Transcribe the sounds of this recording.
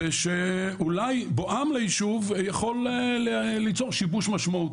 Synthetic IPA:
eʃe | ulajboʔamlejiʃuvjaχo̞lː | lit͡soʁʃibuʃmaʃmau

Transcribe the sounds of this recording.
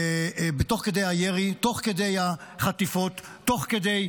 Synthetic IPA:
bet̪o̞χked̪e̞jhajeʁit̪o̞χked̪e̞jaχat̪ifo̞t̪ːo̞χked̪ej

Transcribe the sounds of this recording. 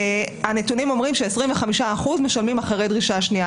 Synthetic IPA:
ane̞tunimo̞mʁimʃeːsʁimveχamiʃaːχuzmeʃalmimaχaʁejdʁiʃaʃnia

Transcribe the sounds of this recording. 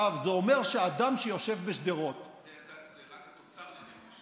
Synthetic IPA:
avzeome̞ʁʃead̪amʃejo̞ʃe̞vbeʃd̪eʁo̞t̪

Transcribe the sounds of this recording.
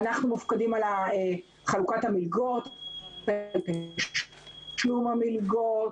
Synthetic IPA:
naχnumufkadimalae | χalukathamilɡot̪pelpeʃ | ʃlumamilɡot

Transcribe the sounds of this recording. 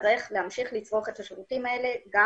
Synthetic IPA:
ʁeχle̞hamʃiχlit͡sʁo̞χe̞thaʃvutimaele̞ɡa

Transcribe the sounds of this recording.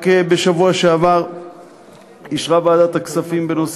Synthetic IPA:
kebeʃavuaʃeavaʁ | iʃʁabaːd̪at̪aksafimbenos

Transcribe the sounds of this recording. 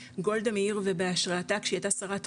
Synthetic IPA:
ɡo̞ld̪ameiʁve̞beaʃʁaːtakʃejat̪asaʁat̪

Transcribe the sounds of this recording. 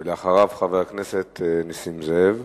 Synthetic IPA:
leaχaʁavχaveʁakneset̪ʰenisimzev

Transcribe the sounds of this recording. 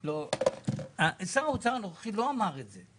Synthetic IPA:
lo | aʔesaaut͡saʁanoχaχilo̞amaʁetze

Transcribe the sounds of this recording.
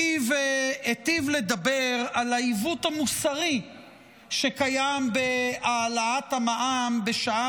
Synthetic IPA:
vet̪ivle̞d̪abe̞ʁalaivut̪hamusaʁi | ʃe̞kajambe̞aːlaat̪hamaʔambe̞ʃaa

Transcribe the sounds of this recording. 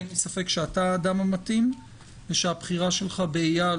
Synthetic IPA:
nisafe̞kʃeataːdamamatim | veʃeabχiʁaʃe̞lχabeija

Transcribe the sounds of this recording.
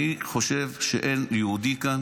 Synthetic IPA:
iχo̞ʃevʃḛʔeneud̪ikan

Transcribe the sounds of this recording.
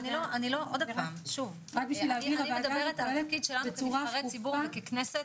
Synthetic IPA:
niloaniloʔod̪apamʃuv | ʁakbiʃiiimed̪ɐbeʁet̪alfkid̪ʃelanukaɐʁet͡sibuʁmekeknese

